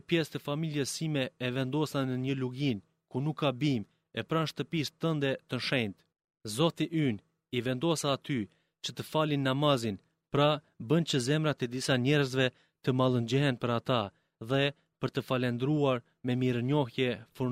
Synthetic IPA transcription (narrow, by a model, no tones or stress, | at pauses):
pjɛst̪əfamiljɛsimɛːvɛnd̪ɔsanːəɲəluɡin | kunukːabim | ɛpɾanʃt̪əpist̪ənd̪ɛt̪ənʃɛjnt̪ | zɔt̪iʔyn | ivɛnd̪ɔsaːt̪y | t͡ʃət̪əfalinːamazin | pɾa | bənt͡ɕəzɛmɾat̪ɛd̪isaɲɛɾəzvɛ | t̪əmalˠənd͡ʑɛɦɛnpəɾat̪a | ðɛ | pəɾt̪əfalɛnd̪ɾuaɾ | mɛmiɾəɲɔhjɛfu